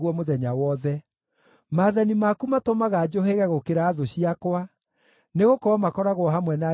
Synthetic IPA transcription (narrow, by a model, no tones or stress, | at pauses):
ɣwɔmoðɛɲawɔðɛ | maːðanimakumatomaɣad͡ʑoɦeɣaɣokeɾaːðoɕiakwa | neɣokɔɔmakɔɾaɣwɔɦamwɛna